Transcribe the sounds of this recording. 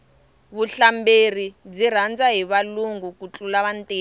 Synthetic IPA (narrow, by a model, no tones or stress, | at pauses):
βuɬamberib͡ʐir̤and͡zaɦiβaluŋɡukut͡ɬʼulaβantʼeː